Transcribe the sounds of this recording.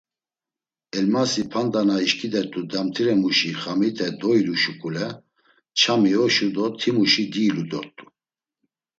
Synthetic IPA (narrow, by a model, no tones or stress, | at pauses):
ɛlmasipʰand̪anaiʃkʼid̪ɛɾt̪ʼud̪amt̪ʰiɾɛmuʃiχamit̪ʰʼɛd̪ɔiluʃukʼulɛ | t͡ʃʰamiɔʃud̪ɔt̪ʰimuʃid̪iːlud̪ɔt̪ʼu̥